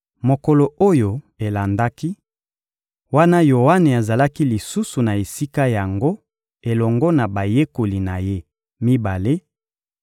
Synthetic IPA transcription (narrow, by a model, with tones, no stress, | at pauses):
mo˨ko˨lo˨o˦jo˨ | e˨la˨nda˦ki˦ | wa˦na˦jo˨wa˦ne˨a˨za˨la˦ki˦li˨su˦su˨na˨e˨si˦ka˦ja˨ŋɡo˦ | e˨lɔ˨ŋɡɔ˦na˨ba˨je˦ko˨li˨na˨je˦ | mi˦ba˨le˦